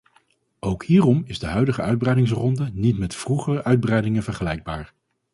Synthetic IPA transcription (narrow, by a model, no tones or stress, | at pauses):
owkhiːrɔmɪzdəɦœɥdəχəœɥd̚brɛjdɪŋs̬rɔndənitmɛtfruχərəʔœɥd̚bərɛjdɪŋənvəɹχəlɛjɡ̚baːɹ